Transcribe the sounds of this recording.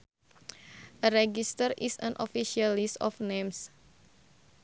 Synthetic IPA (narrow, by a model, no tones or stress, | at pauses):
ʔəɾɛɡist̪ərisã̰nʔofiʃialistɔfnẽms